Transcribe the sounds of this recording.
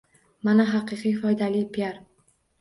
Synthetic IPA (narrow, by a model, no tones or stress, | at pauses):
manaɦɑqɨqʰijfɒjd̪alijpʰijaɾ